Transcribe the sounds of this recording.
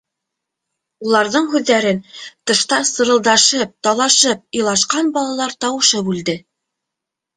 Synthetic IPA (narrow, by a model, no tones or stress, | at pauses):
ulˠɑɾðɤɴɦʉðːæɾɘnt̪ɤ̆ʃt̪ɑsɤ̆ɾɤ̆lˠd̪ɑʃɤp̚t̪ɑlˠɑʃɤp̚ɤlˠɑʃqɑnbɑlˠɑlˠɑɾt̪ɑwɤ̆ʃɤbʉld̪ɘ